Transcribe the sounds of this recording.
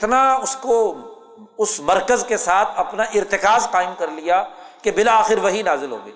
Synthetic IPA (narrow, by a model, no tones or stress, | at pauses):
ɪt̪naʊsko | ʊsmɐɾkəzkesaːt̪ʰɐpnaʔɪɾt̪ɪkaːzqaːɪmkɐɾlijakebɪlaːxɪɾʋɐɦinaːzɪlɦo̰ːɡḛː